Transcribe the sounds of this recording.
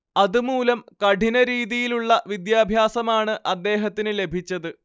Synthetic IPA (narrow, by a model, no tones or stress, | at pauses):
ɐðumuːlɐmkɐɖʱinɐɾiːðijiluɭːɐʋid̪jaːbʱjaːsɐmaːɳɨʔɐd̪ːe̞ːɦɐt̪ːinɨle̞bʱit͡ɕːɐðɨ